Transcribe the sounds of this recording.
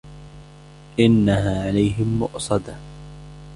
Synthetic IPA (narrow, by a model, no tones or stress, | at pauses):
ʔɪnːaɦaːʕalajɦɪmːʊ̰ʔsˤɑd̪a